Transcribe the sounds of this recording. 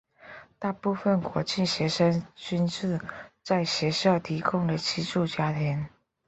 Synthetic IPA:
t̪a˥˧pu˥˧˩fə˨˩nkwɔ˧˥t͡ɕi˥˩ɕjɛ˧˥ʂə˥ŋt͡ɕy˥nʈ͡ʂɻ̩˥˧t͡sa˥˩ɪɕjɛ˧˥ɕjɑ˥˩ʊt̪ʰi˧˥kʰʊ˥ŋd̪ə˨t͡ɕʰi˥ʈ͡ʂu˥˩t͡ɕja˥t̪ʰjɛ˧˥n

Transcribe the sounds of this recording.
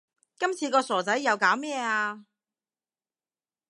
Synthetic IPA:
kɐ˥mt͡sʰiː˧kɔː˧sɔː˨˩t͡sɐ˨˥jːɐ˨˧wkaː˨˥wmɛː˥˧aː˧

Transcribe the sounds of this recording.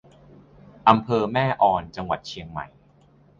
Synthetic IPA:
ʔa˧mpʰɤː˧mɛː˥˩ʔɔː˧nt͡ɕa˧ŋwa̰˨˩t̪̚t͡ɕʰi˧əŋma̰˨˩j

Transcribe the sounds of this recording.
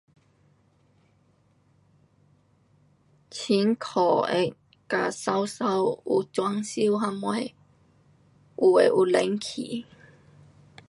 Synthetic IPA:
t͡ɕʰi˨˦nkʰɔ˨˩ʔɛ̰˧˩ | ka˨˧˩sa˧wsa˧wu˧t͡swa˧ŋsi˧˥wɦa˧ma˧˩j | ʔu˨˩ḛ˨ʔu˨˧le˨˦ŋkʰḭː˨˩

